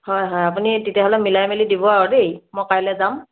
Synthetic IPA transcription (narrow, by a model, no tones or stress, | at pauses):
hɔjɦɔjapunititjaɦɔlɛmilajmelidibɔaɹɔdejmɔjkajlɛzam